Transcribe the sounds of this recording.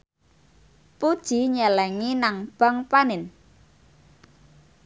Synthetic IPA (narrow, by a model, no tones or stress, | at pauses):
pud̥ʒ̥i̤ɲəlɛŋinaŋb̥a̤ŋpanɪn